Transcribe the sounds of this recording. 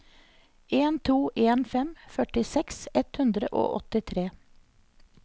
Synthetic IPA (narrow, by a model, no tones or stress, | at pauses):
eːnt̪ʰuːʔeːnfɛmfœʈɪsɛksɛt̪hʉnd̪ɾə̰ʔo̰ːʔɔ̰t̪ɪt̪ʰɾeː